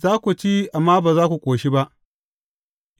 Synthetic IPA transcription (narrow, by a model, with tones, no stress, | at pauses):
zaː˦kʷu˨t͡ʃi˦ʔa˨mːaː˦baː˨zaː˦kʷu˨kʷʼoː˨ʃi˦ba˦ʔ